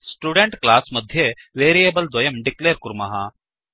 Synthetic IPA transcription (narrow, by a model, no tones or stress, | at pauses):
sʈjuːɖeɳʈklaːsmɐd̪ʱjeʋeːɾijebɐld̪ʋɐjɐmɖikleːɾkuɾmɐɦa